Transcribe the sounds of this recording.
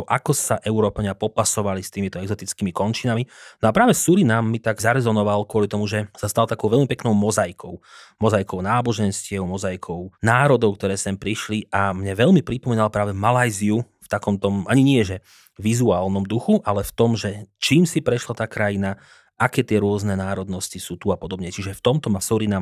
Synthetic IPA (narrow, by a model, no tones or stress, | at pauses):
ɔʔakɔsaʔɛʊɾɔːpaɲɪapɔpasɔʋalist̪iːmit̪ɔɛɡzɔt̪it͡skimikɔnt͡ʃinaminɔapɾaːʋɛsuɾinamːit̪aɡzaɾɛzɔnɔʋalkʊɔlit̪ɔmuʒɛsast̪alt̪akɔʊʋɛlmipɛknɔʊmɔzajkʰɔʊmɔzajkɔʊnaːbɔʒɛnscɪɛʊmɔzajkʰɔʊnaːɾɔd̪ɔʊkt̪ɔɾɛːsɛmpɾiʃliʔamɲɛʋɛʎmipɾipɔmiːnalpɾaːʋɛmalajziu | ft̪akɔmt̪ɔmʔaɲiɲɪɛʒɛ | ʋizuaːlnɔmd̪uxuʔalɛft̪ɔmʒɛt͡ʃiːmsipɾɛʃlat̪aːkɾajina | ʔakɛːt̪ɪɛɾʊɔznɛnaːɾɔd̪nɔscisuːt̪uapɔd̪ɔbɲɛt͡ʃiʒɛft̪ɔmt̪ɔmasuɾinam